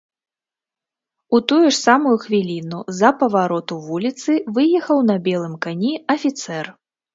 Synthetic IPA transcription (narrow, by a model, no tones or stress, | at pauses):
ut̪ujuʂsamujuxvʲilʲinuzɐpɐvaɾɔt̪uvulʲit̪sɨvɨjɛxɐwnɐbʲɛlˠɨmkanʲiɐfʲit̪sɛr